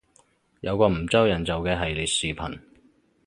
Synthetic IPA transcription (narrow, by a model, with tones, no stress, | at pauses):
jɐ˨˧wkɔː˧m̩˨˩t͡sɐ˥wjɐ˨˩nt͡sɐ˨wkɛː˧ɦɐ˨jli˨˩t̚siː˨pʰɐ̰˨˩n